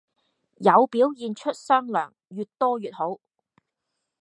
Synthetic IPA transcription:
jɐ˨˧wpiː˨˥wjiː˨˧nt͡ʃʰɵ˥t̚sœː˥ŋlœ̰ː˨˩ŋ | jyː˨t̚t̪ɔː˥jyː˨t̚ho˨˥w

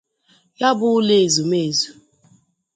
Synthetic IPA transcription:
ja˦bʊ˦le˨e˨zu˨me˦˨zu˨

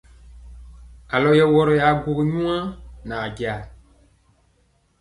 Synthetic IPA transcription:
a˨lɔ˨jɛ˦wɔ˦ɾɔ˨ja˨ɡo˨ɣe˨ɲũ˦ã˦nã˨d͡ʒi˨a˨

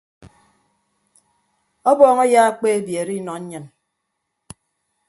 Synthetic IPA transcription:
ɔ˦bɔː˨ŋɔ˦jaː˦a˦k͡pe˦e˦bje˨ɾi˦nɔ˨ɲ̩˦ɲɨ˨n

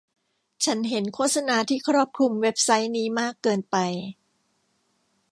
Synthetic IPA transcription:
t͡ɕʰa˦˥nɦe˩˦nkʰoː˥˩t̪̚sa˧naː˧t̪ʰiː˥˩kʰɾɔː˥˩p̚kʰu˧mwe˦˥p̚sa˦˥jniː˦˥maː˥˩kːɤː˧npa˧j

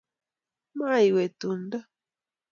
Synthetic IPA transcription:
ma˦jwe˨t̪u˨nd̪a˦

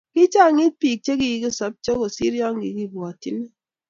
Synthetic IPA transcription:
ki˦t͡ʃa˦˨ŋi˦t̚pi˨k̚t͡ʃe˦ki˦ji˨˦k̬i˦sɔ˨˦p̚t͡ʃo˦ko˨si˦ɾjɔ˦ŋ˦ɡi˨ki˦bwa˨tḭ˦l

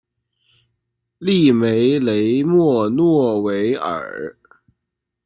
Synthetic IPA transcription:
li˥˩me˧˥ɪle˧˥ɪmwɔ˥˩nwɔ˥˩we˧˥ɪə̰˨˩˦

